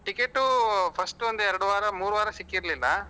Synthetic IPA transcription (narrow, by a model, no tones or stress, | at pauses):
ʈikeʈːupʰɐsʈʋɐnd̪uɛɾɐɽuʋaːɾɐmuːɾuʋaːɾɐsikːiɾlilːɐ